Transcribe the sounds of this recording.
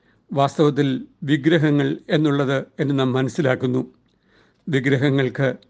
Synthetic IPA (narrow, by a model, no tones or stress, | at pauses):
ʋaːst̪ɐʋɐt̪̬ːilʋiɡɾɐɦɐŋːɐɭe̞nːuɭːɐðɨe̞nːɨnaːmːɐnɐsːilaːkːunːu | ʋiɡɾɐɦɐŋːɐɭkɨ